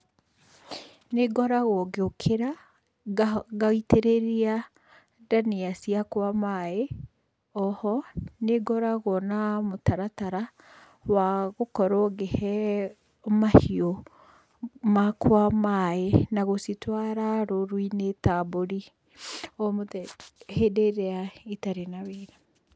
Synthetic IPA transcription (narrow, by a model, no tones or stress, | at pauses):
neɡɔɾaɣɔɡeokʰeɾa | ɡaiteɾeɾia | daneasiakwamae | ɔhɔneɡɔɾaɣɔnamotaɾataɾa | waɣokɔɾoɡehɛ | ɔmahio | makwamaenaɣositwaɾaɾoɾwinetaboɾi | omoðɛhedeɾeaitaɾenaβeːɾa